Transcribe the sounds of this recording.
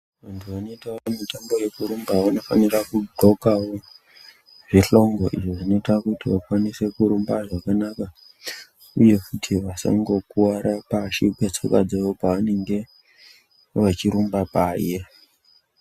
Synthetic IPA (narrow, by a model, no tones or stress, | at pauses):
ʋantʰuʋano̞itaamitambo̞je̞kuɾumbaʋano̞fanirakudʱo̞kawo | ʐiɬo̞ŋɡo̞ʔiʐoʐino̞itakutiʋakwanise̞kuɾumbaʐakanaka | uje̞kutʰiʋasa̰ŋɡo̞kuaɾapaʃikwet͡so̰ka̰d͡zeʋopaʋane̞ŋɡe̞ | ʋat͡ʃiɾumbapaːje̞